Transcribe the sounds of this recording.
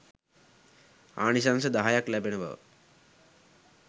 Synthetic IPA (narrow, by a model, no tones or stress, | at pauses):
a̰ːnis̬ansəd̪aɦajaklæbeneba̰ʋ̰